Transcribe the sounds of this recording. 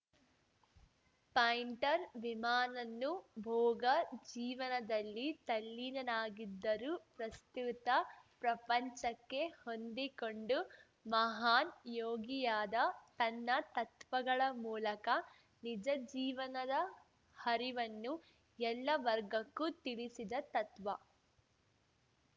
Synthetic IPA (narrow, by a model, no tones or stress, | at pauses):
pɐjɳʈɐɾʋimaːnɐnːubʱɔːɡɐd͡ʒiːʋɐnɐd̪ɐlːit̪ɐlːinɐnaːɡid̪ːɐɾupɾɐst̪ut̪ɐpɾɐpɐɲt͡ʃɐkːe̞hond̪ikoɳɖu | mɐɦaːnjoːɡijaːd̪ɐt̪ɐnːɐt̪ɐt̪ʋɐɡɐɭɐmuːlɐkɐ | nid͡ʒɐd͡ʒiːʋɐnɐd̪ɐ | hɐɾiʋɐnːu | ɛlːɐʋɐɾɡɐkːut̪iɭisid̪ɐt̪ɐt̪ʋɐ